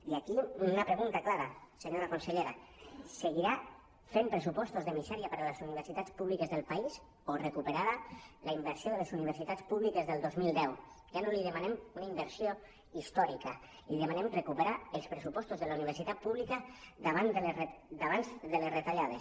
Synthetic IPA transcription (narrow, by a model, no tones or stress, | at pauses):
iakiunəpɾeɣunt̪aklaɾaseɲoɾakonseʎeɾaseɣiɾa | fempɾəsupɔst̪ozðəmizɛɾiapəɾalesuniβ̞əɾsit̪at͡spuβlikəzðəlˠpais | orekupeɾaðəlaimbəɾsioðəlezuniβ̞əɾsit̪at͡spuβlikezðəlˠd̪ozmilˠd̪ɛw | ʒanoliðəmanemunaimbəɾsio | ist̪ɔɾikə | liðemanemrekupeɾaəlˠspɾesupɔst̪ozðəlauniβ̞eɾsit̪at̪̚puβlikəðaβand̪əleed̪aβanzd̪əlesret̪aʎað̞e